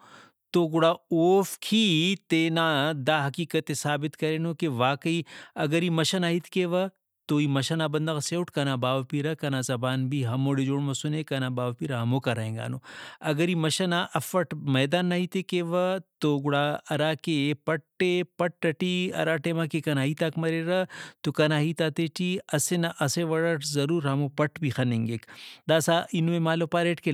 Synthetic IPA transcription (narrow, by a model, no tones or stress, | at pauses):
t̪oːɡʊɽaːoːfkʰit̪eːnad̪aːɦɐkiːkɐt̪esaːbɪt̪kɐɾeːnokeʋaːkəiɐɡɐɾiːmɐʃɐnaːɦit̪keʋɐ | t̪oːiːmɐʃɐnaːbɐnd̪ɐɣseːuʈkɐnaːbaːʋpiɾɐkɐnazɐbaːnbʱiɦɐmoːɽed͡ʒoːɽmɐsunekɐnabaːʋpiɾɐɦɐmoːkaɾɐɦẽːŋɡa̰ːnoːɐɡɐɾimɐʃɐnaʔɐfɐʈmɐːd̪aːnːɐɦit̪ekeʋɐt̪oɡʊɽaːɐɾaːkepɐʈːepɐʈ̚ɾɐʈiɐ̰ɾaːʈemaːkekɐnaːɦit̪akmɐɾeɾɐt̪okɐnaːɦit̪at̪et͡ʃiɐsenaʔɐseʋɐɽɐʈzɐɾuːɾɦɐmopɐʈbʱixɐnẽːŋɡeːkd̪aːsaʔinmemaːlopaːɾeːʈke